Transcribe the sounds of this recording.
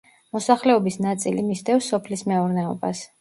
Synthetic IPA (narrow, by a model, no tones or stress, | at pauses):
mɔsaχlɛɔbisnat̪sʼilimisd̪ɛfsɔpʰlismɛuɾnɛɔbas